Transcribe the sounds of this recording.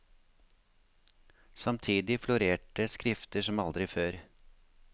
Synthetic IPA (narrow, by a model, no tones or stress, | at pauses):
sɑmt̪ʰiːd̪ɪflʊɾeːʈəskɾɪft̪əʃɔmɑld̪ɾɪføːɾ